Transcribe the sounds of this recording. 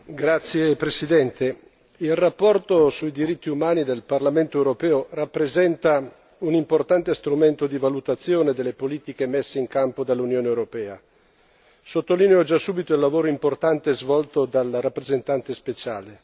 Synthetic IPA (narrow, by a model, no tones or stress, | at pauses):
ɡɾat̪sːjepɾesid̪ɛnt̪e | ilrapːɔrt̪osuid̪iɾit̪ːiumaːnid̪elparlament̪oewɾopɛːorapːɾezɛnt̪a | unimport̪ant̪est̪ɾument̪od̪ivalut̪at̪sːjoːned̪elːepoliːt̪ikemesːeiŋkampod̪alːunjoːneewɾopɛːa̰ | sot̪ːolineod͡ʒasːuːbit̪oilːavoːɾoimport̪ant̪ezvɔlt̪od̪alɾapːɾezent̪ant̪espet͡ʃaːle